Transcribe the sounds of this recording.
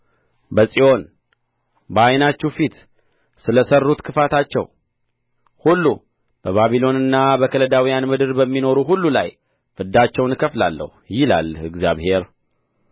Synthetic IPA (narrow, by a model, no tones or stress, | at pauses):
bəsʼiʔo̞n | bəajnat͡ʃːufit̪ | sɨləsərːut̪kʰɨfat̪ʰat͡ʃːɛ̰w | hulːu | b̥əβaβilo̞nɨnːabəkʰələd̪awijanmɨd̪ɨɾbəmːino̞ɾuɦulːula̰j | fɨd̪at͡ʃːɛwnkʰəfla̰lːə̰hujɪla̰lɨɡzja̰βhe̞ɾ